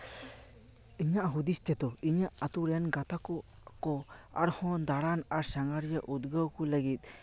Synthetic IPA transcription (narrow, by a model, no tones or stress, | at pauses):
iɲaʔɦud̪ist̪ɛt̪ɔiɲaʔat̪uɾɛnɡat̪akɔ | kɔa̰ɾhɔnd̪aɽanaɾsaŋaɾijaʔud̪̚ɡawkɔləɡit̪̚ˀ